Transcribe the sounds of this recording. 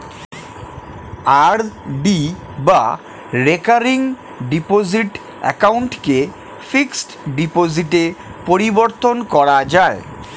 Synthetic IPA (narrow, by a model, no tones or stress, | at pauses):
aɾɖi | ba | ɾekaɾiŋ | ɖipoziʈ | ɛ̰kawɳʈke | fiksʈɖipoziʈepoɾiboɾt̪onkɔɾad͡ʑae